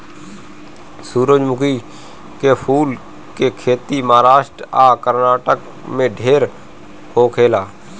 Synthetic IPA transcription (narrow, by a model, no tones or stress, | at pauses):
suːɾod͡ʒmʊkiː | keːpʰuːl | keːkʰeːt̪iːmaːɾaːʃʈɾaːkəɾnaːʈək | mẽːɖʱeːɾ | hoːkʰeːlaː